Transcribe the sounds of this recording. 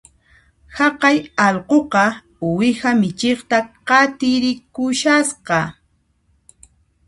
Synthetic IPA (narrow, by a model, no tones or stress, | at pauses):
hɑqɑjɑlqoqɑ | wɪhamɪt͡ʃeχt̪aqɑt̪ɪɾɪkʊʃasqɑ